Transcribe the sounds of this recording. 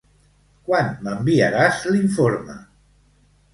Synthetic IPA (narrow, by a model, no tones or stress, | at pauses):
kwanməmbiaɾazliɱfoɾmə̰